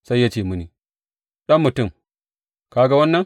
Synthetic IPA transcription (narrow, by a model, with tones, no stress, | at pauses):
sa˦jjːa˦t͡ʃe˨mu˦ni˨ | ɗɐ˦mːu˨tu˦m | kaː˨ɡa˦wɐ˦nːɐ˦n